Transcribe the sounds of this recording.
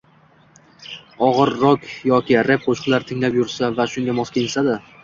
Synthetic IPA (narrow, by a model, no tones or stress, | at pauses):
ɒʁɨɾːɒkʲjɒkʲɪɾe̞p̚qʰoʃqlˠaɾt̪ʰɪŋlapjʊɾsavaʃʊŋɡʲamɒskʲʰensad̪ɪ